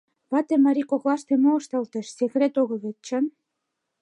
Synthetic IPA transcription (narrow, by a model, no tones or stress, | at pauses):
βɑt̪emɑɾikoklˠɑʃt̪emoːʃt̪ɑlt̪ə̆ʃsekret̪oɣə̆βet̪̚t͡ɕə̆n